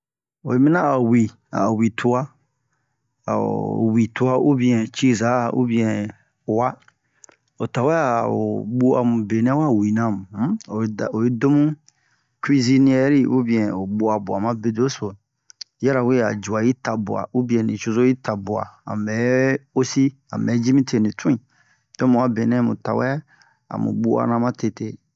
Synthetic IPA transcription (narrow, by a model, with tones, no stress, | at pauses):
o˨e˨˦mĩ˦nã˦a˨wi˨ | a̰˨wi˨tʰu˦a˦ | a̰˨wi˨tu˦a˦u˦bĩ˧ɛ̃˨t͡ʃi˦˨za˨˦˨ṵ˦bĩ˧ɛ̃˨ | wa˦ | o˨ta˨wɛ˦a˦˨o̰˨ɓu˦a̰˨mũ˨be˨nɛ̃˦wa˦˨wi˨nã˦˨mũ˨˦o˨o˨je˦do˦mũ˦ | kɾi˦zi˦nĩ˦ɛ˦ɾi˦ʔu˦bĩ˨ɛ̃˨o˨ɓu˦a˨bu˨a˨mã˦be˦do˦so˨˦ | ɛ˦ɾa˨we˦a̰˨d͡ʒu˨a˨ji˦ta˨bu˨a̰˨u˦bĩ˨˦ɛ̃˨nĩ˨t͡ʃo˧zo˦i˦ta˨bu˨a̰˨a̰˨mɛ˨˦o˦si˦ | a̰˨mɛ˨˦d͡ʒi˦mĩ˦te˨nĩ˨tʰũ˦ĩ˨ | dɔ˦mũ˨a˦be˨nɛ̃˦mṵ̃˨ta˨wɛ˦ | a̰˨mṵ̃˨ɓu˦a̰˨nã˦mã˦te˧te˦˨